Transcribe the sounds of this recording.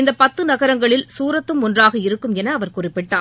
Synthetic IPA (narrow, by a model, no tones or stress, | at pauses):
ɪnd̪ɐpɐt̪ːɯnɐɣɐɾɐŋɡɐɭɪlsuːɾɐt̪ːɯmɔndraːɣɐɪɾɯkːɯmɛnɐːʋɐɾkʊrɪpːɪʈːa̰ː